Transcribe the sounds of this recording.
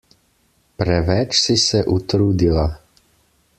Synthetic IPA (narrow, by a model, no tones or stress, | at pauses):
pɾɛʋɛt͡ʃsisɛʔut̪ɾuːd̪ila